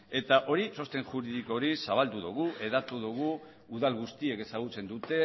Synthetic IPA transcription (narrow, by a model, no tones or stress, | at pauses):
e̞t̪aʔo̞ɾiso̞st̪e̞nʝuɾiðiko̞ɾisaβ̞ald̪uðṵɣ̞uʔe̞ðat̪uðuɣ̞uː | ðalɣust̪ie̞ke̞saɣ̞ut͡se̞nd̪ut̪e̞